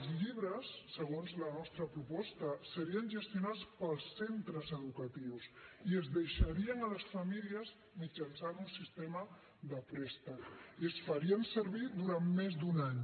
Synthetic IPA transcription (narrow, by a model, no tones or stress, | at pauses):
zʎiβɾəsːəɣonzlənɔst̪ɾəpɾupɔst̪əsəɾiənʒəst̪junat͡spəlˠsːent̪ɾəzəðukət̪iwsiəzðəjʃəɾiənələsfəmiliəz | mit͡ʃənsanunsist̪emə | ðəpɾɛst̪əiəsfəɾiənsəɾβid̪uɾammezd̪unaɲ